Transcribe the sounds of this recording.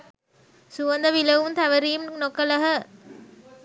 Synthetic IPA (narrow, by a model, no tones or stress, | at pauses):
suʋɐnd̪ɐʋiləʋumt̪æʋəɾiːmnokələɦə